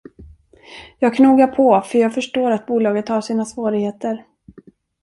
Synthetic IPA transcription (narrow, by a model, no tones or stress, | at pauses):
jɑːɡkʰnuːɡapʰɔfœɾjɑːɡfœʂʈoːɾat̪̚buːlɑːɡət̪haʂiːnasvoːɾɪɡheːt̪əɾ